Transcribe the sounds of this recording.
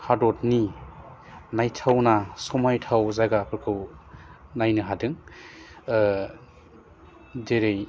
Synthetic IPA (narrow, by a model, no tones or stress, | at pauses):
hadɔtni | najtʰawnasɔmajtʰawzaɡapʰɯɾkʰɯw | najnɯɦadɯŋ | deɾej